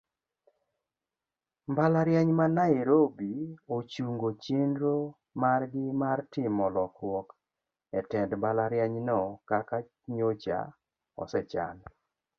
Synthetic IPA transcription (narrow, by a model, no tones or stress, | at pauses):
mbalaɾjaɲmanaiɾobiot͡ʃuŋɡot͡ʃindɾo | marɡɪmartɪmɔlɔkwɔk | ɛtɛdmbalaɾjɛɲnɔkaka | ɲot͡ʃa̰ | ɔ̰sɛt͡ʃa̰n